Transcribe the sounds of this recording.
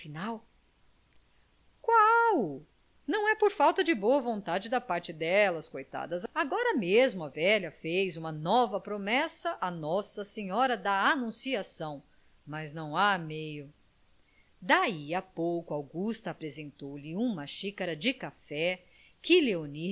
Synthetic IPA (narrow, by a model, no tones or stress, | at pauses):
finaw | kwaw | nɐ̃w̃ɛpoɾfawt̪ɐd͡ʒɪboɐvõnt̪ad͡ʒɪd̪ɐpaɾt͡ʃɪd̪ɛlɐskojt̪a̰d̪ɐzaɡɔɾɐmezmʊɐvɛʎɐfejzũmɐnɔvɐpɾomɛsɐʔanɔsɐsẽɲɔɾɐd̪ɐanũsiasɐ̃w̃ | mɐznɐ̃w̃amejʊ | d̪aiapowkʊawɡust̪ɐːpɾezẽnt̪owlɪũmɐʃikaɾɐd͡ʒɪkafɛ | kɪleoni